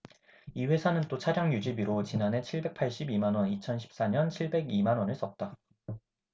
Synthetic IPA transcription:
iwe̞sʰanɯnt͈ot͡ɕʰaɾjʌŋjud͡ʑibiɾot͡ɕinane̞t͡ɕʰiɭbe̞k̚pʰaɭɕ͈ibimanwʌnit͡ɕʰʌnɕʰi̥p̚s͈aɲʌnt͡ɕʰiɭbe̞ɡimanwʌnɯɭs͈ʌt̚t͈a

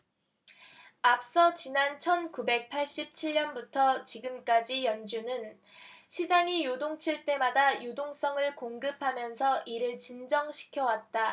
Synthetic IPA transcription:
ap̚s͈ʌt͡ɕinant͡ɕʰʌnkube̞k̚pʰaɭɕ͈ip̚t͡ɕʰiɭɲʌnbutʰʌt͡ɕiɡɯmk͈ad͡ʑijʌnd͡ʑunɯn | ɕʰid͡ʑaŋijodoŋt͡ɕʰiɭt͈e̞madajodoŋs͈ʌŋɯɭkoŋɡɯpʰamjʌnsʰʌʔiɾɯɭt͡ɕind͡ʑʌŋɕʰi̥kʰjʌwat̚t͈a

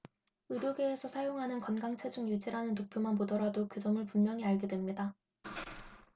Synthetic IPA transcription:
ɯɾjoɡe̞ːsʰʌsʰajoŋɦanɯnkʌnɡaŋt͡ɕʰe̞d͡ʑuŋjud͡ʑiɾanɯnːopʰjomanpodʌɾadokɯdʌmɯɭpunmjʌŋiaɭɡedwe̞mɲida

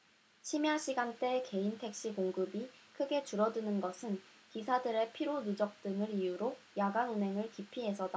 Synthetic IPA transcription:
ɕʰimjaɕʰiɡant͈e̞ke̞intʰe̞k̚ɕ͈ikoŋɡɯbikʰɯɡe̞t͡ɕuɾʌdɯnɯnɡʌsʰɯnkisʰadɯɾe̞pʰiɾonud͡ʑʌk̚t͈ɯŋɯɾijuɾojaɡanunɦe̞ŋɯɭkipʰiɦe̞sʰʌda

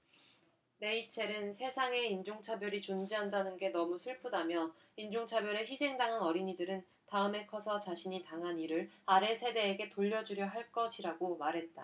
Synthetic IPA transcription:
ne̞it͡ɕʰe̞ɾɯnsʰe̞sʰaŋe̞ind͡ʑoŋt͡ɕʰabjʌɾit͡ɕond͡ʑiɦandanɯnɡe̞nʌmusʰuɭpʰudamjʌ | ind͡ʑoŋt͡ɕʰabjʌɾe̞çisʰe̞ŋdaŋɦanʌɾiɲidɯɾɯn | taɯme̞kʰʌsʰʌt͡ɕaɕʰiɲitaŋɦaniɾɯɾaɾe̞sʰe̞de̞ːɡe̞toʎːʌd͡ʑuɾjʌɦaɭk͈ʌɕʰiɾaɡomaɾɦe̞t̚t͈a

